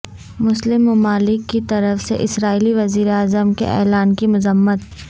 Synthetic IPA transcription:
mʊslɪmːɐmaːlɪkːit̪ɐɾəfsḛʔɪsɾaːiliʋɐziːɾeaːzəmkḛʔɛ̰ːlaːnkimʊzəmːət̪

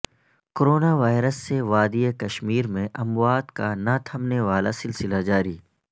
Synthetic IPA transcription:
koɾoːnaʋaːɪɾəsːeʋaːd̪iekɐʃmiːɾmẽʔɐmwaːt̪kanat̪ʰɐmneʋaːlasɪlsɪlad͡ʒaːɾiː

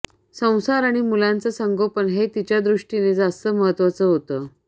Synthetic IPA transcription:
sə̃w̃saɾaɽ̃imulãnt͡səsəŋɡopənɦet̪it͡ɕjad̪ɾuʂʈined͡zast̪əməɦət̪ʋat͡səɦot̪əː

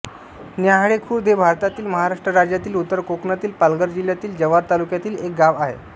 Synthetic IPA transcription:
njaɦɽekʰuːɾd̪ebʱaɾt̪at̪iːlməɦaɾaʂʈɾəɾad͡ʑjat̪iːlut̪ːəɾkoknat̪iːlpalɡəɾd͡ʑiljat̪iːld͡ʑəʋaɾt̪alukjat̪iːlek̚ɡaʋaɦḛ

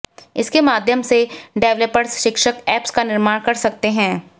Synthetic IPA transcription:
ɪskemaːd̪ʱjəmseɖɛːʋləpəɾsʃɪkʃəkɛːpskanɪɾmaːɽ̃kɐɾsɐk̚t̪eɦɛ̃ː

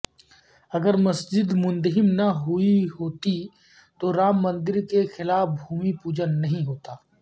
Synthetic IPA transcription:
ɐɡəɾmɐsd͡ʒɪd̪mʊ̃nd̪ɦɪmnɐɦʊiɦoːt̪i | t̪oɾaːmːɐ̃nd̪ɪɾkexɪlaːfbʱuːmipuːd͡ʒənːɐɦĩɦoːt̪aː

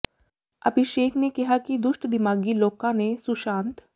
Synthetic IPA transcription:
ɐ̰bʱɪʃeːkʰnekiɦakid̪ʊʃʈd̪ɪmaːɡiloːkãnesʊʃãːnt̪

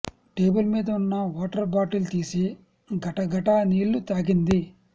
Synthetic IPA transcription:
ʈe̞ːbulmiːd̪ɐunːɐʋoːʈɐɾbaːʈilt̪iːsi | ɡɐʈɐɡɐʈɐniːlːut̪aːɡind̪i

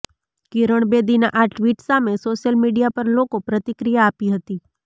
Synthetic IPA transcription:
kiɾəɳ̃bed̪ina̰ʔaʈʋiʈsamesoʃəlmiɖijapəɾlokopɾət̪ɪkɾijaːpiɦət̪i

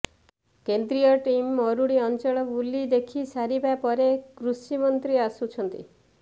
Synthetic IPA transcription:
kend̪ɾiɔʈimːɔɾuɽiɔnt͡ʃɔɭɔbulːid̪ekʰisaɾibapɔɾekɾusimɔnt̪ɾiasut͡ʃʰɔnt̪ḭ

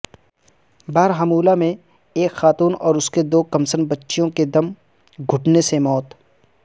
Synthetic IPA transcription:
baːɾɦɐmuːlamẽ | eːkxaːt̪uːnɔːɾʊsked̪oːkɐmsənbɐtːʃijõked̪ɐm | ɡʱʊʈnesemɔːt̪

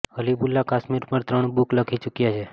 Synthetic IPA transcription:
həlibulːakaʃmiɾpəɳt̪ɾəɳbukləkʰit͡ʃukjat͡ʃʰe

